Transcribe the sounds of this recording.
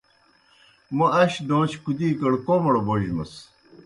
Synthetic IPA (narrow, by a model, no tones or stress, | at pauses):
mɐɐɕd̪oːt͡ɕkud̪iːkɐɽkoːmɐɽoboʑmɐ̰s